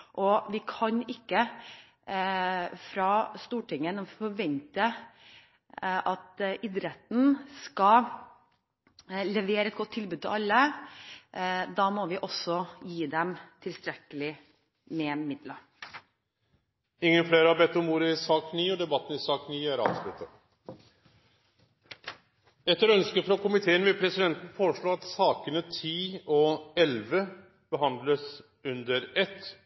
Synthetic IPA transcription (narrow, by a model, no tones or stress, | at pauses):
ʔɔʋɪkʰɑɲɪkːə | fɾɑst̪uːʈʰɪŋːənɛfɔɾʋɛnt̪ə | ʔɑt̪ʔɪd̪ɾɛt̪n̩skɑ | lɛʋeːɾəɛt̪̚ɡɔt̪ʰːɪlbʉd̪̚t̪ʰɪlɑlːə | d̪ɑːmɔʋɪʔɔsɔjiːd̪ɛmt̪ʰɪlst̪ɾɛkːəlɪ | mɛmɪd̪lə | ɪŋːənfleːɾəhɑɾbɛt̪ːɔmuːɾəɪsɑːkniːɔd̪ɛbɑt̪ːn̩ɪsɑːkniːæɾɑ̰ːʋslʉt̪ʰːə | ɛt̪ːəɾœnskəfɾɑkʊmɪt̪ʰeːənʋɪlpʰɾɛsɪd̪ɛnt̪n̩foːɾəʂɭoːɑt̪sɑːkənət̪ʰiːɔɛlʋə | b̥əɦɑnd̪ləs | ʉnd̪əɾɛt̪ː